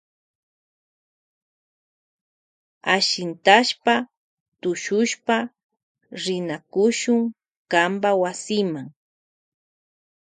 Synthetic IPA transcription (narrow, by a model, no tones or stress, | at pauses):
aʃɪnt̪aʃpa | t̪ʊʃʊʃpa | ɾɪnakʊʃʊŋ | kambawasɪmaŋ